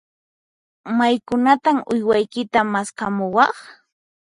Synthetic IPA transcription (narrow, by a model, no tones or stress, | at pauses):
majkʊnat̪amʊjwajkɪt̪amaskamʊwɑχ